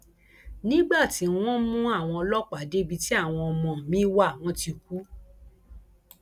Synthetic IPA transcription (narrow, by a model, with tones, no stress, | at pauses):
nĩ˦ɡ͡ba˦˨ti˨˧˦w̃ɔ̃˦mũ˦a˦˨w̃ɔ̃˧ɔ˧lɔ˦k͡pa˨˦˨de˦bi˧ti˦a˦˨w̃ɔ̃˧ɔ˧mɔ̃˨mĩ˦wa˦˨w̃ɔ̃˧ti˧ku˨˦